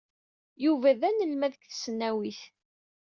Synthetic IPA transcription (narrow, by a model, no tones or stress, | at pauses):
juvæðænəlmæðəkθə̥sənːæwiθ